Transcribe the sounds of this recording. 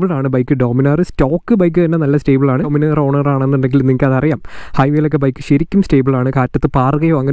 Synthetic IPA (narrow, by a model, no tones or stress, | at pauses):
bɭaːɳɨbɐjkːɨɖo̞ːminaːrɨsto̞ːkːɨbɐjk̬ːɨt̪ɐnːe̞nɐlːɐste̞ːbɐɭaːɳɨminɐːro̞ːɳɐraːɳenːuɳɖe̞ŋɡilnːiŋikːɨɐðɐrijaːmhɐjʋeːlokːebɐjkːɨ̥ɕiɾikʲːumste̞ːbɐɭaːɳɨkaːtːɐt̪ːɨpaːrɨɣɐjoːɐŋːɐn